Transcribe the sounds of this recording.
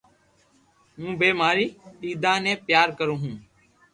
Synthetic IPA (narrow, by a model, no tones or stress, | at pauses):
mũːbeːmaːɾiːiːd̪ãːnẽːpjaːɾkəɾõːɦũː